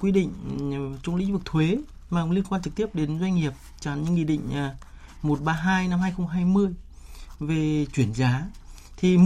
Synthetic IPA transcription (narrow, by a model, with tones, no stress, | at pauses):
kwi˧ɗḭ˧˨ŋ̟t͡ɕʊ˧wŋ͡mlḭ˧˥ŋ̟vɨ˨˩k̚t̪ʰwe˨˦ | maː˨˩˧li˧ənkwaː˧nt͡ɕɨ˨˩k̚t̪i˦˥əp̚ɗe˨˦nzwa˧jŋ̟ŋi˨˩əp̚t͡ɕa˧˩nɲɨ̰˧˥ŋḭ˧˨˩ɗḭ˧˨ŋ̟ʔ | mo˨˩t̚ɓaː˧ɦaː˧jna˧mhaː˧jxə˧wŋ͡mɦaː˧jmɨ˧əjve˨˩t͡ɕwi˧˩ənzaː˨˦t̪ʰi˨˩m